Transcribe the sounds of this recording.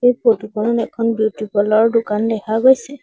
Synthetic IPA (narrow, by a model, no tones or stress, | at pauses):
ejpotukɔnɔnɛkʰɔnbutipɔlɔɹdʊkandɛkʰaɡojsɛ